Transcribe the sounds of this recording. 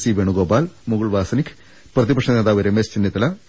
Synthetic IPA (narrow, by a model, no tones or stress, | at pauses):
siʋeɳuɡoːbaːlmuɡuɭʋaːsɐnikʰː | prɐðibɐkʂnɐneːd̪aːʋɐɾemest͡ɕinːɐt̪ːɐlɐ